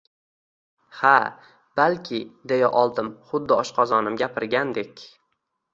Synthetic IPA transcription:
ha | b̥alkʲʰɪd̪ejaʔɒlˠd̪ɪmχʊd̪ːɪɒʃqɒzɒnɪmɡʲapʰɪɾɡʲand̪e̞kʲ

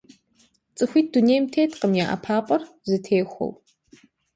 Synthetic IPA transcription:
t͡sʼɨxʷiːt̚ʰd̥unejmtʰeːtʰqəmjaːʔɐ̰pʰaːqʷʼɔr | zɨtʰeːxʷo̰w

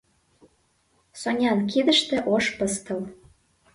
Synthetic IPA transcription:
sonʲɑnk̬id̪ə̆ʃt̪ĕʔoʃpəst̪ɤ̆l

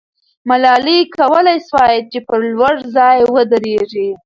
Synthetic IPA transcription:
malɑlikawəlajswɑjɪd̪̚t͡ʃepəɾlwaɽzɑjwəd̪əɾeʐi

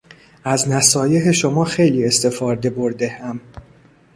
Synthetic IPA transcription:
ʔæznæsɒːjeɦeʃo̞mɒːxe̞jliːe̞st̪e̞fɒːɾd̪e̞bo̞ɾd̪e̞hæm

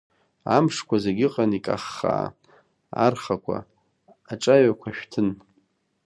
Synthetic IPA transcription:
amʂkʷʰazeɡʲɪqʼanikʼa̰χːa̰ | a̰rχakʷʰa̰ | aʈ͡ʂʼaɥakʷʰaʃᶣtʰɨn

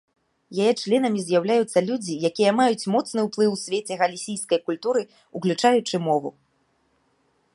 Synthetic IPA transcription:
jajɛt͡ʂlʲɛn̪ɐmʲizʲjawlʲajut̪sːɐlʲud͡zʲijakʲijɐmajut͡sʲmɔt̪snɨwplˠɨwsʲvʲet͡sʲɛɣɐlʲisʲijskɐjkulʲt̪uɾɨ | uklʲut͡ʂajut͡ʂɨmɔvṵ

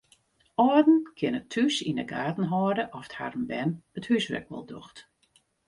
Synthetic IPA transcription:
ɔdn̩kʰɪnətʰysinə̰ɡaːtn̩ɦɔːdəʔɔfə̥tha̰rmbɛnəthysʋɛ̰k̚ʋɔ̰lˠdoxt

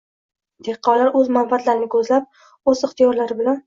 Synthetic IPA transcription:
d̪ʰeɾqʰːɒwlaɾɵzmanbat̪laɾɪnɪkʰɵzlap̚ | ɵzɪχt̪ʰijɒɾlaɾɪbɪlan

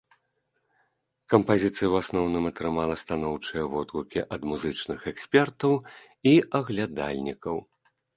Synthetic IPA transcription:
kɐmpazʲit̪sɨjɐwasnɔwnɨmɐt̪ɾɨmalˠɐst̪anɔwt͡ʂɨjɐvɔt̪ɣukʲiʔɐd̪muzɨt͡ʂnɨxɛksʲpʲɛrt̪ɐw | iɐɣlʲad̪a̰lʲnʲikɐw

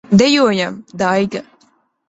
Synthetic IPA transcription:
d̪ɛjuɔjamd̪ajɡa

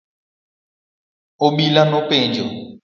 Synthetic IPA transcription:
oɓilanopẽd͡ʒo̰

